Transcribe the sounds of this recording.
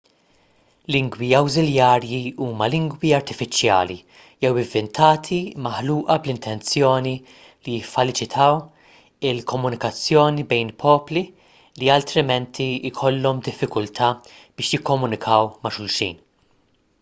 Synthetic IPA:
lɪŋɡwiɐwzɪljɐːɾjiuːmɐlɪŋɡwiɐɾt̪ɪfɪt͡ʃjɐ̰ːlḭ | jɛwɪɱvːɛnt̪ʰɐːt̪ʰimɐħluːʔɐblɪnt̪ʰɛnt͡sjɔːni | lijɪfːɐlɪt͡ʃɪt̪ʰɐw | ɪlkɔmːʊnɪkɐt͡sːjɔːnibɛjnpʰɔːpli | liɐlt̪ɾɪmɛnt̪ʰiɪkʰɔlːɔmd̪ɪfːɪkʊlt̪ʰɐː | b̥ɪːʃjɪkːɔmʊnɪkʰɐwmɐʃʊlʃḭːn

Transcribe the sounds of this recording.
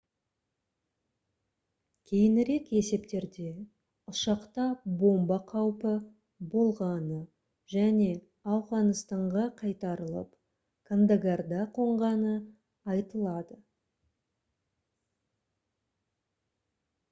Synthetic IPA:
kʲʰe̞jɪnɪɾe̞ke̞se̞pt̪e̞ɾd̪e̞ | ʊʃɑqt̪ɑbo̞mbɑqʰɑwpə | bo̞lˠʁɑnə | ʒæne̞ | ɑwʁɑnəst̪ɑɴʁɑqʰɑjt̪ɑɾəlˠə̰p | kʰand̪aɡard̪ɑqʰo̞ɴʁɑnə | ɑjt̪əlˠɑd̪ə

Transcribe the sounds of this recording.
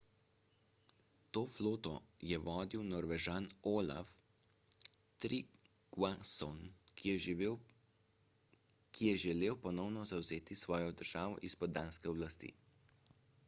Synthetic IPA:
t̪oːfloːt̪ɔjɛʋɔːd̪iwnɔɾʋɛʒaːnoːla̰f | t̪ɾi | ɡ̥wasɔn | kʰijɛʒɛleːwpɔnɔwnɔzawzeːt̪isʋɔːjɔd̪əɾʒ̥aːʋɔ̰ʔispɔd̪d̪aːnskɛɔblast̪ḭː

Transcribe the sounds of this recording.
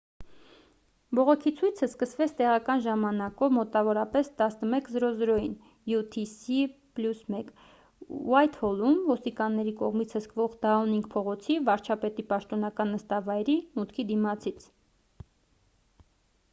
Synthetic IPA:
bɔʁɔkʰit͡sʰujt͡sʰəskəsvɛt͡sʰt̪ɛʁɑkɑnʒɑmɑnɑkɔvmɔt̪ɑvɔɾɑpɛst̪ɑsnəmɛkzɾɔzɾɔjin | jut̪ʰisipljusmɛk | uɑjt̪hɔlumvɔst̪ikɑnːɛɾikɔʁmit͡sʰhəskvɔʁd̪ɑɔniŋk̚pʰɔʁɔt͡sʰivɑɾt͡ʃʰɑpɛt̪ipɑʃt̪ɔnɑkɑnːəst̪ɑvɑjɾimut̪kʰid̪imɑt͡sʰit͡sʰ

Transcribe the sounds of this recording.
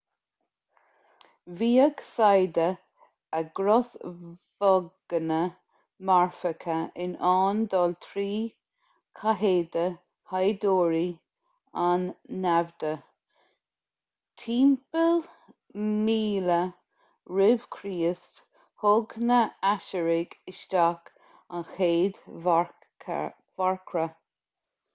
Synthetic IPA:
viːəɡsajd̪ə | əɡɾɔsvɔɡ̥ənə | maɹfəkʰəʔɪnɑːnd̪ɔːlt̪ʰɾiː | kʰaɦeːd̪ə | hajd̪oːɹi | anːɛvd̪ə | t̪ʰiːmpəl | miːlə | ɹɪv̥kʰɾiːəst | hʊɡnəaʃəɹɪɡɪʃd̪ak | anxeːd̪ | vaɹkʰɾə

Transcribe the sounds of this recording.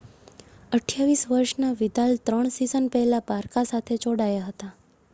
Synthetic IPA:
əʈʰjaʋisʋəɾʃnaʋid̪alt̪ɾəɳ̃sizənpɛɦɛlabaɾkasat̪ʰet͡ʃoɽajaɦət̪a

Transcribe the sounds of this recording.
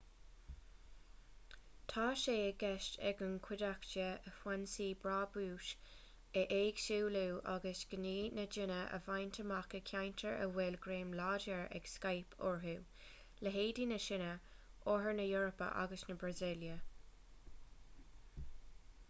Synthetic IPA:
t̪ʰɑːʃeːəɡɛʃtɛ̰ɡənkʰwɪdakt͡ʃəəfwansiːbɹaːbuːʃ | əʔeːɡ̥ʃuːluːʔaɡəsɡ̥əniːnəd͡ʒɪnəʔə̰vajnt̪ʰəmakəkʰajntʰəɹʔə̰wɛlɡɾeːmlaːdəɹɛ̰ɡ̥skajpʰɔ̰ɹɦuː | ləɦeːdinəʃɪnə | ʔoɦəɹnəjoːɹəpə̰ʔa̰ɡəsnəbɹazɪljə

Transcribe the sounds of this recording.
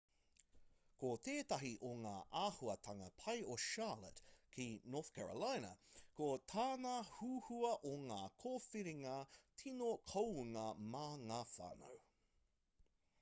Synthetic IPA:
koteːtɐɦiʔoŋaːʔaːhuɐtʰɐŋɐpʰɐjoʃaːlə̰tkʰinoːθkʰɛɹə̰lajnɐ̰kotʰaːnɐhuːhuɐʔoŋaːkʰofiɾiŋɐtʰinokʰowuŋɐmaːŋafa̰no̰w

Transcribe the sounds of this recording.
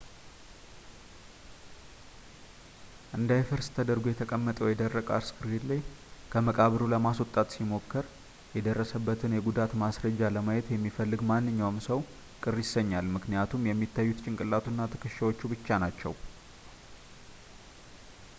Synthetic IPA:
ʔɨnd̪ajfɨɾst̪ʰəd̪əɾɡujɛt̪ʰəkʼəmːət̪ʼəwjɛd̪ərːəkʼa̰ɾskɨɾhilaj | kʰəməkʼaβɾuləmaswɔt̪ʼat̪simo̞kːəɾ | jɛd̪ərːəsəbːət̪ʰɨnjɛɡud̪at̪masɾəd͡ʒːaləmajɛt̪jɛmːifəlːɨɡmanːɨɲːawmsəw | kʼɨrjɪsəɲːalmɨknijat̪ʰumjɛmːit̪ʰːajːut̪t͡ʃʼɪŋkʼɨlːat̪ʰunːat̪ʰə̥kʰəʃawo̞t͡ʃːubɨt͡ʃːanat͡ʃːɛ̰w

